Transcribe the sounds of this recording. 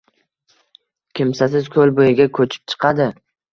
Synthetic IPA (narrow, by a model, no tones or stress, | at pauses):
kʲɪmsasɪzkʰɵlbojɪɡʲakʰɵt͡ʃʰɪ̥p̚t͡ʃʰɨ̥qʰɑd̪ɪ